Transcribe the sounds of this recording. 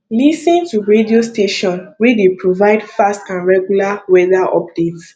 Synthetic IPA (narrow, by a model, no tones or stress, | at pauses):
lisĩntuɹediosteʃɔ̃nwedepʰɹovaɪdfastãnɹɛɡjulawɛdaʔɔ̰pdet